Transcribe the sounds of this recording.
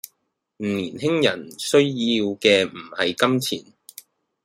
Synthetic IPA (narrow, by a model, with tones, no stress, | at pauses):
m̩˨˩niː˨˩nhɪ˥ŋjɐ˨˩nsɵ˥ɥjiː˧wkɛː˧m̩˨˩hɐ˨jkɐ˥mt͡sʰḭː˨˩n